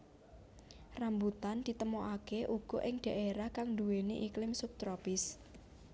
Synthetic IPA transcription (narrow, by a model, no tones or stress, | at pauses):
rambut̪and̪̥i̤t̪əmoʔakeʔuɡ̥ɔ̤ʔɪŋɖ̥ä̤ʔeɾahkaŋd̪uweneʔiklɪmsup̚t̪ɾopɪs